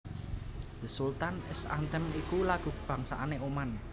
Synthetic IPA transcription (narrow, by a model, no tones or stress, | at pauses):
d̪ə̤sult̪anɪsa̰nt̪əmikulaɡ̥ṳb̥ä̤ŋsa̰ʔaneoman